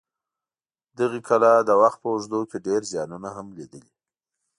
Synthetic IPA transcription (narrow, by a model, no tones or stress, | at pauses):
d̪əɣekʰalad̪əwaxt̪̚pəʊʒd̪okeɖeɾzjɑnunaɦamlid̪əli